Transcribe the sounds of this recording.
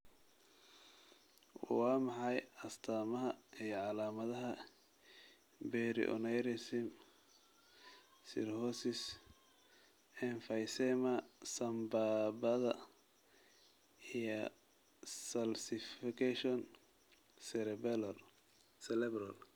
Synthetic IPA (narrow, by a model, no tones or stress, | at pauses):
wɑːmɑħɑjɐst̪ʰaːmɐɦɐijɔʕɑlaːmɐðɐɦɐ | bɛɾɪ̰ʔɔ̰nɛjɾɪsɪm | sɪ̰rhɔsɪs | ɛnfɐjsɛmɐsɐmbabɐðɐ | ijɔ | sɐlsɪfɪkʰɛʃɔn | sɛɾɛbɛll | sɛlɛbɾɐ̰l